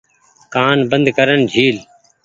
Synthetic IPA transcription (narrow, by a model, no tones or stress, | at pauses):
kaːnbənd̪kəɾənd͡ʒʱiːl